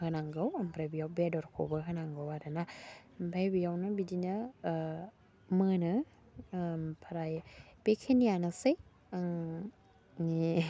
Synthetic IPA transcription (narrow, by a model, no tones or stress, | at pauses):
hɯnaŋɡawampʰɾajbijawbedɔɾkʰo̰bɯɦɯnaŋɡawaɾɯnambʰajbijawnɯbidina | mɯnɯ | pʰaɾajb̥ekʰenijanasɯj | aŋ | ni